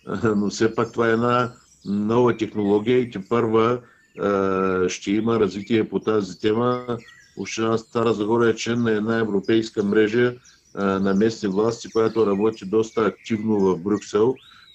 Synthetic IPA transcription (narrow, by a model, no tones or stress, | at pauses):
nofsɛpak̚t̪ovaɛɛd̪na | nɔvət̪ɛxnolˠɔɡ̟ʲijəit̪ɛpəɾvə | ʃt̪ɛiməɾɐzvit̪iɛpot̪azit̪ɛmə | o̰ʃt̪ɛnast̪aɾəzɐɡɔɾət͡ʃlɛnːɐɛd̪naɛvɾopɛjskəmɾɛʒə | nɐmɛsnivlˠast̪ikojat̪oɾɐbɔt̪id̪ɔst̪əːk̚t̪ivnovɐvbɾʲuksɛlˠ